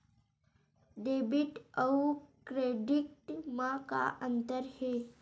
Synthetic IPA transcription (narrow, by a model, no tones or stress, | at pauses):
ɖebiʈəukɾeɖiʈmãka̰ʔənt̪əɾhe